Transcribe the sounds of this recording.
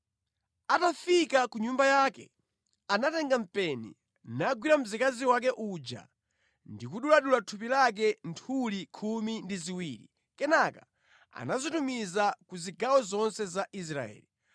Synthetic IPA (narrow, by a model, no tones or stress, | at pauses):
atafikakuɲumbajaːkɛ | anatɛŋɡam̩pɛnḭ | naɡwiɾam̩zikaziwak̬ɛʔud͡ʒa̰ | ndikuɗulaɗulatʰup̬ilak̬ɛntʰulikʰumindiziwiːɾḭ | kɛnaka | a̰nazitumizakuziɡawɔzɔnsɛzaʔis̬ɾaɛ̰ːli